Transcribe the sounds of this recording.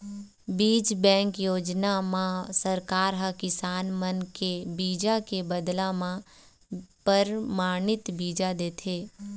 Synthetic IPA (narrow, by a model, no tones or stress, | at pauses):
biːd͡ʒbɛ̃ːŋkjoːd͡ʒnamãsəɾkaːɾɦəkɪsaːnmənkebiːd͡ʒakebəd̪lamã | pəɾmaːnɪt̪biːd͡ʒad̪eːt̪ʰeː